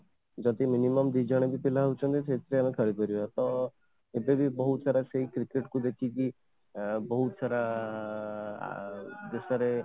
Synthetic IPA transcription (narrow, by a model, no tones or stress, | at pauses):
d͡ʒɔt̪iminimɔmd̪id͡ʒəɽ̃ebʱipilaɦut͡ʃʰɔnt̪it͡ʃet̪ɾeamekʰəɾipɔɾiat̪ɔ | ebebibɔɦut̪saɾaseɦikɾikeʈkud̪ekʰiki | bɔɦut̪saɾa | d̪esaɾe